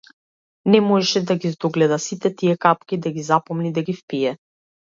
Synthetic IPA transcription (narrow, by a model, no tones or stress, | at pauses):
nɛmɔʒɛʃɛd̪aɡizd̪ɔɡlɛd̪asit̪ɛt̪iɛkapkid̪aɡizapɔmnid̪aɡifpijɛ